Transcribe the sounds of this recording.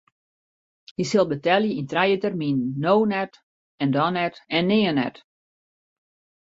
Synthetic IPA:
hisɪlˠbətɛljəintrajətɛrminnːownɛt | ɛndɔnɛtɛnːɪːənɛ̰t

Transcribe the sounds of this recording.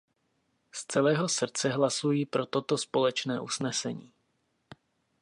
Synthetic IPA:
st͡sɛlɛːɦo̞sr̩t͡sɛɦlasujiːpɾo̞t̪o̞t̪o̞spo̞lɛt͡ʃnɛːʔusnɛsɛɲiː

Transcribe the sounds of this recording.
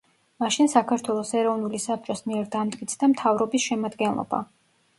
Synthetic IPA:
maʃinsakʰaɾt̪ʰwɛlˠɔsɛɾɔvnulisap̚ʰt͡ʃʼɔsmiɛɾd̪amd̪ʼɡʼit̪sʰd̪amt̪ʰavɾɔbisʃɛmad̪ɡɛnlˠɔ̰ba̰

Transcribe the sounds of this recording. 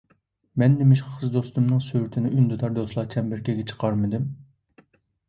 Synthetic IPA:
mɛnːɪmɪʃqχʰəzd̪ost̪umnɨŋsøɾt̪ʰɪnɪʔynd̪ud̪ɑɾd̪oslˠɑːt͡ʃʰɛmbɪɾkʲʰeɡʲɛt͡ʃʰə̥qʰɑɾmɨd̪ɪm

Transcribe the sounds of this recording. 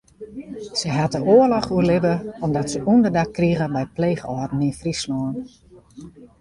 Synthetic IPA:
səɦat̚əʔoəlɔχuərlɪbəɔmdɔtsəʔundərdakkːriɣəbɛjpleːɣəɔːdn̩infrislɔən

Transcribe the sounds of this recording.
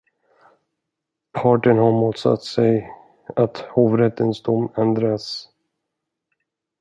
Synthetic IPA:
pʰɑːʈəɳhaɾmuːt̪sa̰t̪ːsɛj | at̪hoːvɾɛt̪ːənsd̪ʊmːɛnd̪ɾas

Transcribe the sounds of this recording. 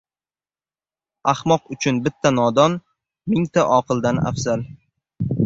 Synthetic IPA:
ahmɒqʊt͡ʃʰʊnbɪt̪ʰːanɒd̪ɒn | mɪŋt̪ʰaʔɒqʰɨlˠd̪ana̰fz̥al

